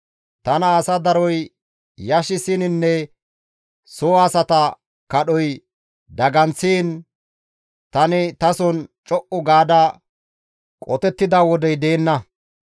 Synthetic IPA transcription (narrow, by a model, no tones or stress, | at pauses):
t̪ɐnɐːsɐd̪ɐɾɔj | jɐʃɪsɪnɪnːɛ | soːasɐt̪ɐ | kɐɗɔj | d̪ɐɡɐnt͡sːiːn | t̪ɐnɪt̪ɐsɔnt͡ʃʼɔʔʊɡaːd̪ɐ | kʼɔt̪ɛt̪ːɪd̪ɐwɔd̪ɛjd̪e̞ːnːɐ